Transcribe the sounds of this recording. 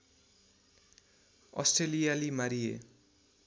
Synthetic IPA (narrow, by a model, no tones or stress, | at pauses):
ʌ̰sʈrelijalimaɾijḛ